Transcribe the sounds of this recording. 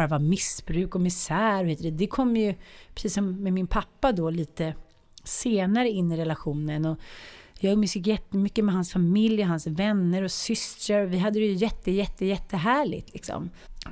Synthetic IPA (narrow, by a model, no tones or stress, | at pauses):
ɾavamɪsbɾʉ̟ːkɔmɪsæːɾɔhɪt̪əd̪ɛd̪ɛkʰɔmːjɵpʰɾɛsiːsɔmːɛmɪnpʰapːad̪ɔliːt̪ə | seːnaɾəɪnːɪɾɛlaɧuːnənɔjɑːɡmʏsɪkjɛt̪ːəmʏkːəmɛɦansfamɪljɔɦansvɛnːəɾɔsʏst̪ɾəɾɔvɪɦad̪ːəɾɛjɵjɛt̪ːəjɛt̪ːəjɛt̪ʰːəɦæːɭɪ̰ɡt̪lɪksɔ̰m